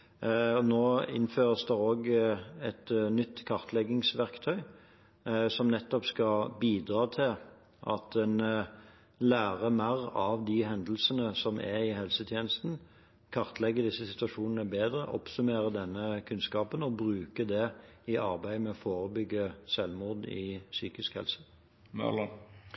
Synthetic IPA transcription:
ɔnoːɪ̰nføːʁəsd̪ɛoːɡɛt̪nʏt̪ːkʰɑʁt̪ʰlɛɡɪŋsʋæʁkt̪ʰœʏ | sɔmnɛt̪ːɔpskɑbiːd̪ʁɑːt̪ʰɪl | ʔɑ̰t̪ɛn | læːʁəmæɾɑʋd̪ɪɦɛnd̪əl̩sənəsɔmʔɛɪɦɛlsət̪ʰjeːnəst̪n̩ | kʰɑʁt̪lɛɡːəd̪ɪsːəsɪt̪ʉɑʂuːnənəbeːd̪ʁəʔɔ̰psʉmeːʁəd̪ɛnːəkʰʉnskɑːpənɔbʁʉːkəd̪ɛɪʔɑʁbæɪmɛɔfoːʁəbʏɡːəsɛlmʊʁd̪ɪ̰syːkɪskhɛ̰lsə̥ | mœ̰lɑ

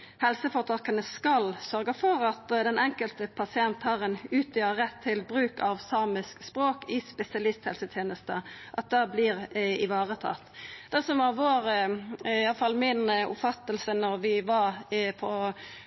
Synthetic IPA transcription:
hɛlsəfɔʁt̪ʰɑːkənəskɑlsœɾɡəfɔɾɑt̪d̪ɛnʔɛŋkəlt̪əpʰɑsɪɛnt̪hɑːʁɛnʉːt̪jəʁɛt̪ʰːɪlbɾʉːkɑʋsɑːmɪskspɾoːkɪspɛsɪɑlɪst̪hɛlsət̪ʰjeːnəst̪əʔɑt̪̚d̪æblɪʁɪʋɑːʁət̪ʰɑ̰ːt̪d̪̥ɛsɔmʋɑʁʋoːɾ | jɑləfɑlmɪnʊ̰pfɑt̪ːəlsənɔɾʋɪʋɑʁpʰɔ

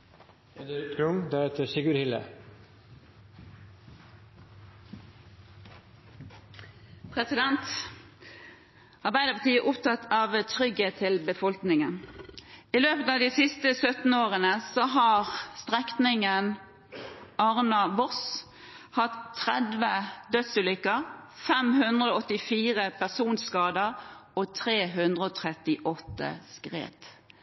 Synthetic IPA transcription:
d̪t̪ɡɾʊŋd̪æɾheːt̪əɾsɪɡʉɾhɪlə̰ | pʰʁɛsɪd̪ɛnt̪ | ɑʁbæɪd̪əpɑt̪iːəʔʊpt̪ʰɑt̪ːɑʋt̪ʰʁʏɡeːt̪ʰːɪlbəfɔlknɪŋən | ɪløːpət̪ɑːʋd̪iːsɪst̪əsœt̪n̩oːʁənəsɔɦɑʁst̪ʁɛk̪nɪŋən | ɑʁnɑʋɔs | hɑt̪ʰːʁɛd̪ʋəd̪œt̪sʉːlʏkːəʁfɛmhʉnd̪ʁəoɔt̪ːɪfiːʁəpʰæʁsuːnskɑːd̪əʁɔt̪ʰʁeːɦʉnd̪ʁəɔːt̪ʰʁɛt̪ɪʔɔt̪ːə̰skʁḛːt̪

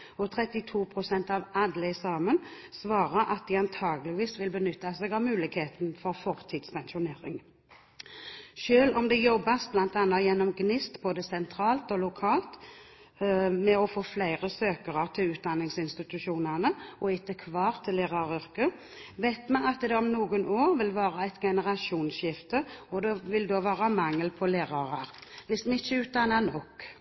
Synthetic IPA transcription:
ɔt̪ʰʁɛt̪ɪt̪ʰuːpʰʁʊsɛnt̪ɑʋɑd̪ləɪsɑːmən | sʋɑːʁəɾʔɑt̪̚d̪ɪɑnt̪ʰɑːɡəlɪʋiːsʋɪlbənʏt̪ːɑsɛːɡɑʋmʉːlɪkheːt̪n̩fɔʁfɔʁt̪ʰɪt̪spʰɛnʃʊneːʁɪ̰ŋ | ʃøːlɔmd̪ɛjɔbːɑsblɑnt̪ɑnːɑjɛnːɔmɡnɪst̪boːd̪əsɛnt̪ʰʁɑːlt̪ɔlʊkʰɑːlt̪ | mɛɔfoːflæɪɾəsøːkəʁɑt̪ʰɪlʉːt̪̚d̪ɑnːɪŋsɪnst̪ɪt̪ʉʃuːnənəɔɪt̪ːəkʰʋɑːʁt̪ʰɪlːeːʁɑɾʏʁkə | ʋæɪt̪mɛnɑt̪d̪ɛɔmnuːɡənoːɾʋɪlʋɑːɾəæɪt̪ɡɛnəʁɑʃuːnʃɪft̪əɔd̪ɛʋɪld̪oːʋæːʁɑmɑŋːəlpʰɔleːʁɑʁɑʁʋɪsd̪n̩ɪt͡ʃːəʉːt̪̚d̪ɑnːɑnɔkː

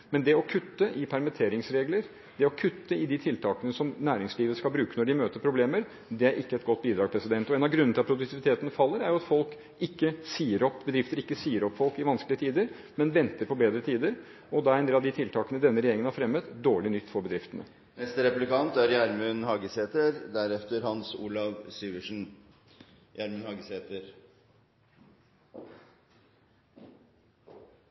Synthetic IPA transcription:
mɛnd̪ɛɔkʰʉt̪ːəʔɪpʰæɾmət̪ʰeːɾɪŋsɾeːɡləɾ | d̪ɛɔkʰʉt̪ːəɪd̪ɪt̪ʰɪlt̪ʰɑːkənəsɔmnæːɾɪŋsliːʋəskɑlbɾʉːkənɔɖɪmøːt̪əɾpʰɾʊbleːməɾ | d̪ɛæɾʔɪkːəɛt̪̚ɡɔt̪̚ːbiːd̪ɾɑːɡpʰɾɛsɪd̪ɛnt̪ɔeːnɑʋɡɾʉnːnt̪ɪlɑt̪pʰɾʊd̪ʉkt̪ʰɪʋɪt̪ʰeːt̪ənfɑlːəɾæɾjʊɑt̪fɔlk | ɪkːəsiːəɾɔpːbəd̪ɾɪft̪əɾɪkːəsiːəɾɔpːfɔlkɪʋɑnsklɪət̪ʰiːd̪əɾ | mɛnʋɛnt̪əɾpʰɔbeːd̪ɾət̪ʰiːd̪əɾ | ɔd̪ɑːæɾɛnd̪eːlɑd̪ɪt̪ʰɪlt̪ʰɑːkənəd̪ɛnːəɾɛjeːɾɪŋən̩hɑɾfɾɛmːət̪d̪oːɭɪnʏt̪ːfɔɾbəd̪ɾɪft̪ənə̰ | nɛst̪ɾɛplɪkɑnt̪æɾjæɾmʉnhɑːɡəseːt̪əɾd̪æɾɛft̪əɾhɑnsṵːlɑʋsyːʋəʂn̩ | jæɾmʉnhɑːɡəseːt̪əɾ

